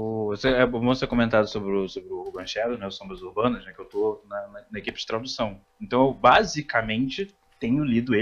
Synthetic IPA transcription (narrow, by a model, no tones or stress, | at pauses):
ʊoseɛvõsekõmẽnt̪ad̪ʊsobɾɪʊsobɾɪʊbɐ̃ʃɛd̪ʊnɛʊsõmbɾɐzuɾbɐ̃nɐʃnɛkɪewt̪onɐnɐnɐekipɪ̥d͡ʒɪt̪ɾad̪usɐ̃w̃ẽnt̪ɐ̃w̃ewbazikɐmẽnt͡ʃɪ | t̪ẽɲʊlid̪ʊe